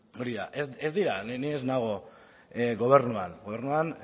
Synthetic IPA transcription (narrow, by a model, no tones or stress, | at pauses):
o̞ɾiðaʔezezd̪iɾanneeznaɣ̞o̞ | ɡo̞β̞e̞ɾnuanɡo̞βeɾnuan